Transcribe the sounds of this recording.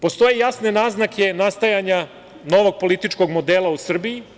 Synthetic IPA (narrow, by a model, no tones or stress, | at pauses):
po̞st̪o̞jejasne̞naːznakʰe̞nast̪ajaɲa | no̞ʋo̞ɡ̚po̞lit̪it͡ʂko̞ɡmo̞d̪elausr̩biji